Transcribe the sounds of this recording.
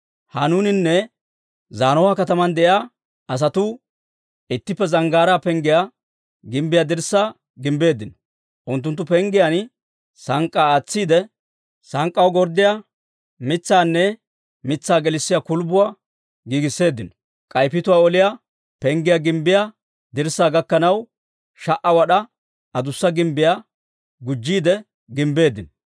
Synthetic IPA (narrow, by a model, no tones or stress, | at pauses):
hɐnuːnɪnːɛ | zaːnɔwaːkɐt̪ɐmɐnd̪ɛʔja | ɐs̬ɐt̪ʊ | ɪt̪ːɪpːɛzɐŋɡaːɾaːpɛŋɡɪja | ɡɪmbɪjad̪ɪɾsːaː | ɡɪmbe̞ːd̪ːɪnɔ̥ | ʔʊnt̪ːʊnt̪ːʊpɛŋɡɪjan | sɐŋkʼːaːt͡sːiːd̪ɛ | sɐŋkʼːɐwɡɔɾd̪ɪja | mɪt͡sːaːnːɛ | mɪt͡sːaːɡɛlɪsːɪjakʊlbʊwaː | ɡiːɡɪsːe̞ːd̪ːɪnɔ̥ | kʼɐjpɪt̪ʊwaːɔlɪja | pɛŋɡɪjaɡɪmbɪja | d̪ɪɾsːaːɡɐkːɐnɐw | ʃɐʔɐwɐɗɐ | ɐd̪ʊsːɐɡɪmbɪja | ɡʊd͡ʒːiːd̪ɛ | ɡɪmbe̞ːd̪ːɪnɔ